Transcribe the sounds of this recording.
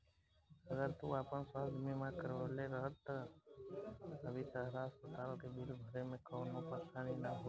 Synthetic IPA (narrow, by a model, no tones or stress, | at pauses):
əɡəɾt̪uaːpənswaːd̪mimãkəɾʋəleɾəɦət̪ | əbit̪əɦɾaɦəspət̪aːlkebʱɪlbʱəɾemẽkəːnõpəsʰaːninaɦo